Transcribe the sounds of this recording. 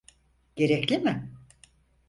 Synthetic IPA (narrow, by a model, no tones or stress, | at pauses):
ɟ̥e̞ɾɛclʲimɪ